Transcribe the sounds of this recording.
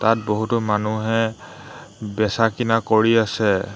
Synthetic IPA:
tat̚boɦutɔmanuɦɛ | bɛsakinakoɹiasɛ

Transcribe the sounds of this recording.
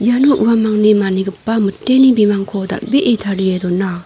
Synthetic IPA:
januʔuwamaŋnimaniɡɯpːamɯtːenibimaŋkʰɔda̰k̚biʔetʰaɾiedɔna

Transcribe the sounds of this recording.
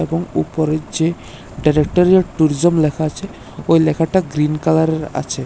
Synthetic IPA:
eboŋṵpoɾed͡ʑe | ɖajɾek̚ʈaɾieʈuɾid͡ʑomlɛkʰat͡ɕʰe | ojlɛkʰaʈaɡɾinkalaɾeɾa̰t͡ɕʰe

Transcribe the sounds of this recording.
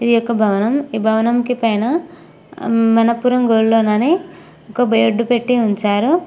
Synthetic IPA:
id̪ijɔkːɐbʱɐʋɐnɐmiːbʱɐʋɐnɐmkipɐjnɐ | mɐnɐpːuːɾɐmɡoːɭloːnɐne | ɔkːɐbʱɐjɐɖːupeʈːiuɲt͡ʃaːɾu

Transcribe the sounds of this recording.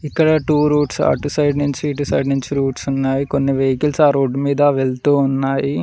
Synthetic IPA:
ikːɐɽɐʈuːɾuːʈsa̰ːʈusɐjɖnuɲt͡ʃiɖisɐjɖnuɲt͡ʃiɾuːʈsunːaːjikonːiʋejkilsaːɾoːɖːmiːd̪ɐʋeɭt̪uːnːaːji

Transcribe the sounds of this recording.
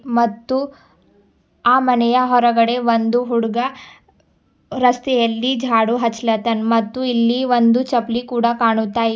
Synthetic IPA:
mɐt̪ːu | aːmɐnɐjɐɦɔɾɐɡɐɽeʋɐnd̪uɦuɽɡɐ | ɾɐst̪ɛjɐlːid͡ʒʱaːɽuɦɐt͡ʃlɐt̪ɐnmɐt̪ːuilːiʋɐnd̪ut͡ʃɐplikuːɽakaːɳut̪ːaː

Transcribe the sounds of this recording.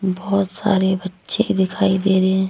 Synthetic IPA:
bɔːt̪sa̰ːɾebɐtːʃekd̪ɪkʰaːid̪eːɾɛɛ̃ː

